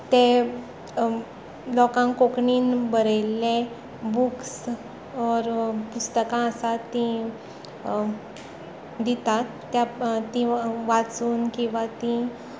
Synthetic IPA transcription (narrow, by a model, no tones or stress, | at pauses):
t̪e | lɔkãŋkokɳiːnbəɾəjlːẽ | buks | ɔɾpust̪əkãəsat̪ːĩ | d̪it̪at̪ː | jat̪ːĩʋat͡suːnkĩʋat̪ĩ